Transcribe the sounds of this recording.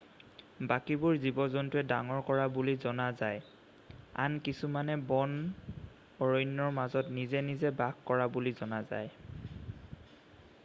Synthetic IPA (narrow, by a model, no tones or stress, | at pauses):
bakibʊɹzibɔzɔntuɛdaŋɔɹkɔɹabulizɔnazaj | a̰nkisumanɛbɔn | ɔɹɔjnːɔɹmazɔtnizɛnizɛbaɡkɔɹabulizɔnaza̰j